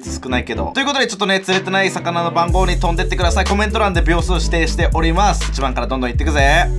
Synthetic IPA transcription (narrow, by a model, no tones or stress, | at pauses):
ɨ̥sɨ̥kɯnaike̞d̪o̞̰t̪oiɯ̟ko̞t̪o̞d̪et͡ɕo̞t̪ːo̞net͡sɨɾe̞t̪e̞naisakanano̞bãŋɡo̞ːɲ̟it̪ond̪e̞t̪ːekɯd̪asaiko̞mẽnt̪o̞ɾãnd̪ebʲo̞ːsɨoɕi̥t̪e̞ːɕi̥t̪e̞ʔo̞ɾʲimasɨ̥it͡ɕibãŋkaɾad̪õnd̪õit̪ːekɯ̟ze